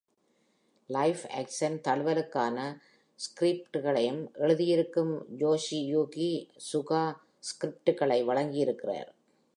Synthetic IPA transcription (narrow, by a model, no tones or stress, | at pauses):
lɐɪfæ̰ːksɐnt̪ɐɭɯʋɐlɯkːaːnɐ | skɾɪp̚ʈɯɣɐɭɐjɯmʔɛɻɯðɪjɪɾɯkːɯmd͡ʒoːsijuːɣisʊɣaː | skɾɪp̚ʈɯɣɐɭɐɪʋɐɭɐŋɡɪjɪɾɯkːɪra̰ːɾ